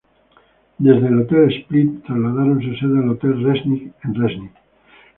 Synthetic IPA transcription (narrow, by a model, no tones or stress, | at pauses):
d̪ezðelot̪elesplit̪t̪ːɾazlaðaɾonseseðalot̪elresnikenresnik